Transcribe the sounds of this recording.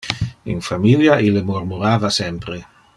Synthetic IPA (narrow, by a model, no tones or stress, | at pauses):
ḭnfamiljaʔilemuɾmuɾaːvasɛmpɾe